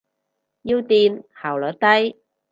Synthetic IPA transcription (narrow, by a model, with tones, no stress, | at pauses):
ji˥wt̪iː˧nhaː˨˩wlɔː˨˥t̪ɐ˥j